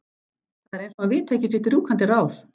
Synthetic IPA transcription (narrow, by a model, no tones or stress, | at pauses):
θaðɛɾejnsɔnavɪːt̪ʰːeːjcɪsɪht̪ɪɾuːkʰant̪ɪɾraːwθ